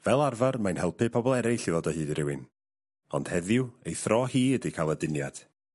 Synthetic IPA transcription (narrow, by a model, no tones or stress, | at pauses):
vɛlˠarvarmajnhɛlˠpɨpʰɔbɔlˠɛɾɪɬiðɔdɔhɨːdiɾɪwɪn | ɔ̰nd̥hɛðjwejθrɔhiːədikʰaːlˠədɪnjad̥